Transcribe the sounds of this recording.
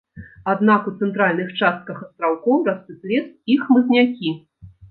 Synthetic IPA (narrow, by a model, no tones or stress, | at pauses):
ad̪nakut̪sɛnt̪ɾalʲnɨxt͡ʂast̪̚kɐxɐst̪ɾawkɔwrasp̪ɨplʲɛsixmɨznʲakʲi